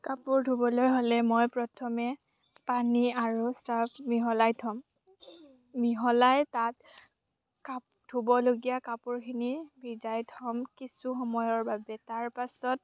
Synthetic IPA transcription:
kapʊɹdʱubɔlojɦolɛmojpɹɔtʰɔmɛ | paniaɹustapmiɦɔlajtʰɔm | miɦɔlajtat̚ | kap | dʱubɔloɡijakapʊɹkʰinibʱizajtʰɔmkisuxɔmɔjɔɹbabɛtaɹpasɔt̚

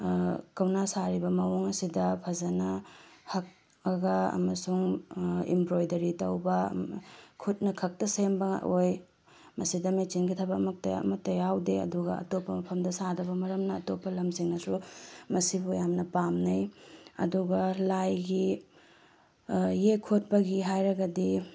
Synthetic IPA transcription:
kɐwnasaɾibɐmɐwoŋɐsidɐpʰɐzɐnɐhɐk̚ | ɐɡɐɐ̰mɐsuŋḭmbɾojdɐɾitɐwbɐ | kʰut̚nɐkʰɐk̚tɐsembɐŋa̰ʔoj | mɐsidɐmet͡ʃinɡitʰɐbɐːmɐk̚tɐ̰ɐ̰mɐtːɐjawdeɐ̰duɡɐɐ̰topːɐmɐpʰɐmdɐsadɐβɐmɐɾɐmnɐːtopːɐlɐmsiŋnɐsumɐsibujamnɐpamnɐjɐ̰duɡɐlajɡi | ekʰot̚pɐɡiɦajɾɐɡɐdi

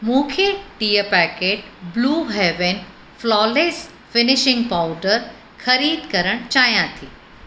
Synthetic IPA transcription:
mũːkʰeʈiːəpɛːkeːʈ̚bluːɦeːʋen | flɔːleːs | fɪnɪʃɪ̃ŋɡpaʊɖəɾ | xɐɾiːd̪ʱkɐɾəɽ̃t͡ɕaːjãt̪ʰiː

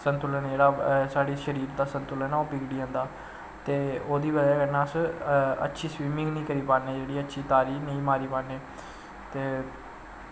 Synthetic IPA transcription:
sənt̪ʊlənd͡ʒeːɽaːsaːɽiːʃəɾiːɾd̪aːsənt̪ʊlənaopiɡɽiːɦə̃ːnd̪aː | t̪eːoːd̪iːʋəd͡ʒaːkənaːsə̰tːʃʰiːsʋiːmɪ̃ŋɡnĩːkəɾiːpaːneːd͡ʒeːɽiːətːʃʰiːt̪aːɾiːnĩːmaːɾiːpaːnːeː | t̪eː

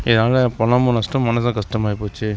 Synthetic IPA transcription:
ɪðɐnaːlɐpɔnɐmoːnɐsʈɐmːɐnɐs̬ãkɐsʈɐmaːjɪpːoːt͡ʃːɯ

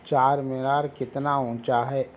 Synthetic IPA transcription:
t͡ʃaːɾmɪɾaːɾkɪt̪naũːt͡ʃaɦɛː

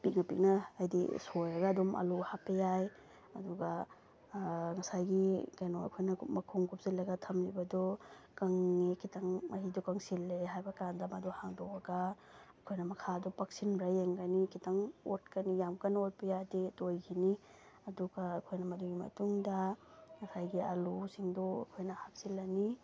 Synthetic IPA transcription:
pik̚nɐpik̚nɐːjdḭsojɾɐɡɐːdumʔɐ̰luhapɐjaj | ɐ̰duɡa | ŋɐsajɡikajnoɐ̰kʰojnɐmɐkʰuŋkʰup̚zilːɐɡɐtʰɐmlibɐdɔkɐŋːekʰitaŋmɐɾidɔkɐŋsilːeɦajbɐkandamɐdɔhaŋdɔwɐɡaɐkʰojnɐmɐkʰadɔpɐk̚sinbɾajeŋɡanikʰitaŋot̚kɐnijamkɐnot̚pɐjaditojkʰini | ɐduɡaːkʰojnɐmɐduɡimɐ̰tuŋdɐŋɐsajɡia̰lusiŋdɔɐ̰kʰojnɐhak̚silːɐni

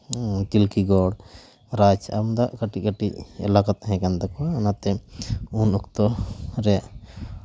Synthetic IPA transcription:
t̪ilkiɡɔɽ | ɾad͡ʒa̰md̪aʔkaʈikaʈicɛ̰lakat̪̚ɦɛ̃kant̪akɔwaːnat̪ɛunɔkt̪ɔɾɛ

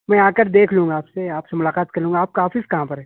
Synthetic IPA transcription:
mɛ̃ːaːkəɾd̪eːkʰlũːŋɡaːpseaːpsemʊlaːqaːt̪̚kɐɾlũːŋɡaːp̚kaɦaːfɪskɐɦãpɐɾɦɛ̃ː

